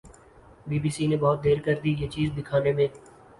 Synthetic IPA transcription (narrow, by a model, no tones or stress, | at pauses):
biːbiːsinẽbɔɦːt̪̚d̪eːɾkəɾd̪iːjeːt͡ʃiːzd̪ɪkʰaːnemẽː